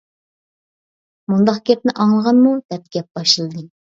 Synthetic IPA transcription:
mund̪ɑqɡʲɛp̚nɪʔɑŋlˠəʁɑnmud̪̥ɛp̚ɡʲɛp̚b̥ɑʃɨlˠɨd̪ɨ

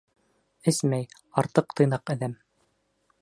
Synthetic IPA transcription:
ɘsmæj | ɑɾt̪ɤqt̪ɤ̆jnɑqæ̆ðæm

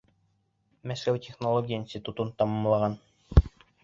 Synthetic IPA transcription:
mæskæwtʲeχnolˠoɡʲijəinsʲt̪ʲit̪ut̪unt̪ɑmɑmlˠɑʁɑn

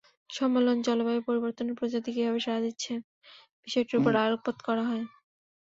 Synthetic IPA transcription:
ʃɔmːelond͡ʑɔlobaepoɾiboɾt̪oneɾpɾod͡ʑat̪ikebɛbeʃaad̪itːɕʰe | b̥iʃɔeʈiɾupoɾaɾokːot̪kɔɾaɦɔe

